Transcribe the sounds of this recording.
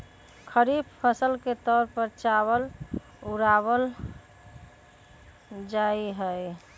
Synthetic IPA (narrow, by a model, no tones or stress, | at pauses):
kʰəɾibpʰəsəlket̪ɔɾpəɾt͡ʃawəl | uɾabəl | d͡ʒaiɦəj